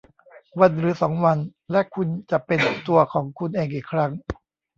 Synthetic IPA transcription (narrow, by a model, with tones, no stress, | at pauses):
wa˧nɾɯː˩˦sɔː˩˦ŋwa˧nlɛ˦˥ʔkʰu˧nt͡ɕa˨˩ʔpe˧nt̪u˧ɐkʰɔː˩˦ŋkʰu˧nʔeː˧˩ŋʔiː˨˩kʰɾa˦˥ŋ